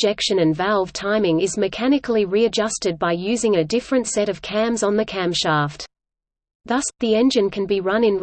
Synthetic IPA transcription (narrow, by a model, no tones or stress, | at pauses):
ɛkʃɨ̃nɨ̃nvælˠv̥tʰãɪ̃mɪ̃ŋɨzmɨkʰænɨkl̩ˠiɹiɨd͡ʒʌstɨd̚baɪjʉzɪ̃ŋɨdɪfɹɨ̃ntsɛɾʌv̥kʰæ̃mzn̩ðɨkʰæ̃mʃæˑft | ðʌsðiɛ̃nd͡ʒɨ̃nkʰɨ̃n̩biɹʌ̃nɨ̃n